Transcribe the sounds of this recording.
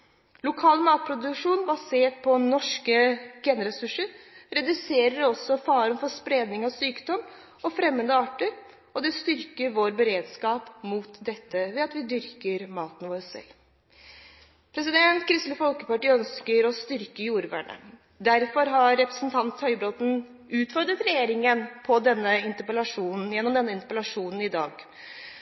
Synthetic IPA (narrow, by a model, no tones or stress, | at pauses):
lʊkʰɑːlmɑːt̪̚pʰɾʊd̪ʉkʂuːnbɑseːʈ̚pʰɔnɔʂkəɡɛnɾɛsʉʂəɾɾɛd̪ʉseːɾəɾɔsːɔfɑːɾənfɔʂpɾeːd̪nɪŋɑʋsyːkd̪ɔm | ɔfɾɛmːənd̪əɑːʈəɾ | ɔd̪ɛst̪ʏɾkəɾʋoːɾbəɾeːd̪skɑːpmuːt̪d̪ɛt̪ːəʋɛɑt̪ʋɪd̪ʏɾkəɾmɑːt̪n̩ʋoːɾsɛ̰lː | pʰɾɛsɪd̪ɛnt̪kʰɾɪst̪ləfɔlkəpɑʈiːœnskəɾɔst̪ʏɾkəjuːɾʋæ̰ːɳə̰ | d̪æɾfɔɾɦɑɾːɛpɾə̥sn̩t̪ʰɑnt̪hœʏbɾɔt̪n̩ | ʉːt̪fɔɾd̪ɾət̪ɾɛjeːɾɪŋənpʰɔd̪ɛnːəɪnt̪əpəlɑʂuːnn̩jɛnːɔmd̪ɛnːəɪnt̪əpəlɑʂuːnn̩ɪd̪ɑːɡ